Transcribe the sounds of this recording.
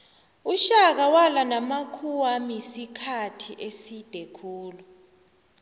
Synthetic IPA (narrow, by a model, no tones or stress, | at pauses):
uʃak̬awalanamakʰuwamisikʰatʰiʔesid̥ʱɛkʰuːlu